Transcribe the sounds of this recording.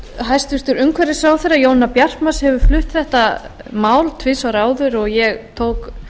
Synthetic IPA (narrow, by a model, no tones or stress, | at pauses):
ɦajst̪vʏst̪ʏɾʏŋkʰvɛɾɪsaːwθeɾːajoːwnnapjar̥tmashɛvʏɾflʏht̪θɛht̪a | maːwlt̪ʰvɪsawɾaːwðʏɾɔɣjɛɣt̪ʰoːwk